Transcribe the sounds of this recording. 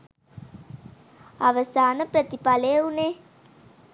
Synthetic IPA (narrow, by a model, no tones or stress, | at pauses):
aʋəsaːnəpɾət̪ipalejəune